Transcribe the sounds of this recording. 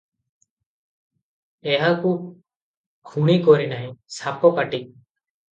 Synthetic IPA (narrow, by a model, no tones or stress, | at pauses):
ɛɦaku | kʰuɽ̃ikoɾinaɦĩsapɔkaʈi